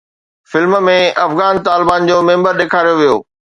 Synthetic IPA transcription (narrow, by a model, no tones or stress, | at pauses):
fɪlmmẽʔɐfɣaːnt̪aːlɪbaːnd͡ʑoːmẽːmbəɾɗeːkʰaːɾijoʋijo̰ː